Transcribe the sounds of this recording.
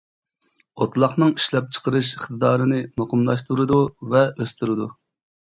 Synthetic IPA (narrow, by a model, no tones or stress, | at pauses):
ot̪lˠɑχnɨŋiʃlɛp̚t͡ʃʰə̥qʰəɾɨʃiχt̪ɨd̪ɑːɾɨnɨmɑqəmlˠɑʃt̪uɾɨd̪uvɛøst̪ʰyɾɨd̪u